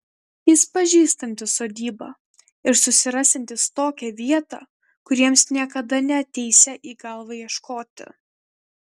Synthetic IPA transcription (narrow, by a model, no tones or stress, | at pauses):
jɪspɐʒʲiːst̪ɐnʲt̪ʲɪsoːd̪ʲiːbɑ̰ː | ɪɾsʊsʲɪɾɑːsʲɛnʲt̪ʲɪst̪oːkʲɛʋʲiɛt̪ɑ | kʊɾʲiɛmsnʲiɛkɐd̪ɐnʲɛɐt̪ʲɛɪsʲɛʔiːɡɐlˠʋɐjiɛʃkoːt̪ʲɪ̰